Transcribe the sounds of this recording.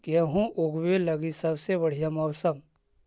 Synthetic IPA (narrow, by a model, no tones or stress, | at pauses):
keɦũʔʊɡwelɐɡisɐbsebəɽ̤ijamɔːsəm